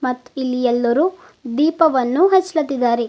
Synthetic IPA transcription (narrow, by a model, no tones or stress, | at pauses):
mɐt̪ːilːijɛlːɐɾu | d̪iːpɐʋɐnːuɦɐt͡ʃːɐlɐt̪ːid̪ːaːɾe